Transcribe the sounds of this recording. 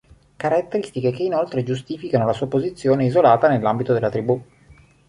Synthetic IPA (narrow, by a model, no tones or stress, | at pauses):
kaɾat̪ːeɾist̪ikekeinolt̪ɾed͡ʒust̪iːfikanolasuːapozit̪sːjoːneizolaːt̪anelːambit̪od̪elːat̪ɾibu